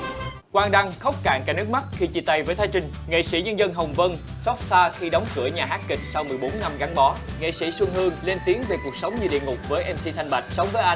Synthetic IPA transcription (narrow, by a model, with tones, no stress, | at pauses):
kwaː˧ŋɗa˧ŋxə˦˥wk͡p̚ka̰ː˧˨ŋkaː˨˧˥nɨ˦˥k̚ma˦˥t̚xi˧t͡ɕḭ˧˩t̪a˧jvəː˨˦jt̪ʰaː˨˦jt͡ɕï˧ŋ̟ŋḛ˧˨sḭ˧˩ɲə˧nzə˧nɦə˨˩wŋ͡mvə˧n | sɔ˦˥t̚saː˧xi˧ɗɔ˨˦wŋ͡mkɨ˧˩əɲaː˨˩ɦaː˦˥t̚kï˨˩k̟̚sa˧wmɨ˨˩əjɓo˨˦nːa˧mɣa˨˦ŋɓɔ˨˦ | ŋḛ˧˨sḭ˧˩swɨ˧əŋɦɨ˧əŋle˧nt̪i˨˦əŋve˨˩ku˨˩ək̚sə˨˦wŋ͡mɲɨ˧ɗḭ˧˨əŋʊ˨˩k͡p̚vəː˨˦jʔɛ˧msi˧t̪ʰjŋɓa˨˩k̟̚sə˨˦wŋ͡mvəː˨˦jʔa˧